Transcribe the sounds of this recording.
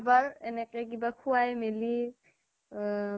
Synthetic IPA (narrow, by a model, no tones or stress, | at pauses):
baɹenɛkɛk̬ibakʰuwajmeli